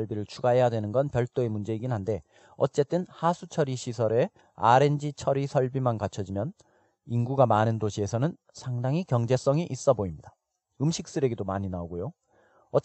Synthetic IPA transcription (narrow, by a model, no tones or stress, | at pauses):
ʌɭbiɾɯɭt͡ɕʰuɡaɦe̞jadwe̞nɯnɡʌnpjʌɭt͈oemund͡ʑe̞iɡinɦande̞ | ʌt͡ɕ͈e̞t͈ɯnhasʰut͡ɕʰʌɾiɕʰisʰʌɾe̞ | aɾe̞nd͡ʑit͡ɕʰʌɾisʰʌɭbimankat͡ɕʰʌd͡ʑimjʌn | inɡuɡamanɯndoɕʰie̞sʰʌnɯn | sʰaŋdaŋɦikjʌŋd͡ʑe̞s͈ʌŋiʔis͈ʌboimɲida | ɯmɕʰik̚s͈ɯɾe̞ɡe̞domaɲinaoɡojo | ʌ